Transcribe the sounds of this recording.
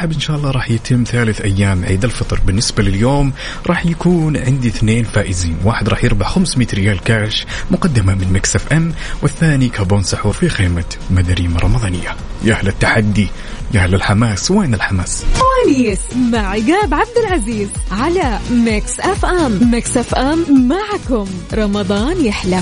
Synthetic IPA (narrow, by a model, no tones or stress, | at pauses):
ħɪbʔɪnʃaːʔɑlˤːɑːɾˤɑːħjɪt̪ʰɪmːθaːlɪθʔajːaːmʕiːd̪alfɑt̪ˤɾˤbɪnːɪsbalɪljoːm | ɾˤɑːħjakuːnʕɪnd̪iθneːnfaːʔɪziːnwaːħɪd̪ɾˤɑːħjɪɾbaʕxamsmiːt̪ɾɪjaːlkaːʃmʊqɑd̪ːɪmamɪnmaksʔafʔamwɪθːaːnikaboːnsʊħuːɾfixeːma | mad̪aɾiːmaɾˤɑmɑd̪ˤɑːnɪ̰jːa | jaʔahlat̪ːaħad̪ːi | jʔahlalħamaːsweːnɪlħamaːst̪waliːsmaʕɪɡaːbʕab̚d̪ɪlʕaziːzʕalamɪksʔafʔammɪksʔafʔamːaʕkʊmɾˤɑmɑd̪ˤɑːnjɪħla